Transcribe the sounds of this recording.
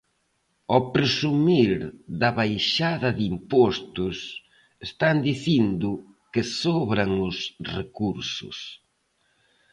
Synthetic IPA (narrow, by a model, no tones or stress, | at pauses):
ɔpɾesumiɾðɐβajʃaðɐðimpɔst̪ʊs | est̪and̪iθind̪ʊ | kɪsɔβɾaŋʊsrekuɾsʊ̰s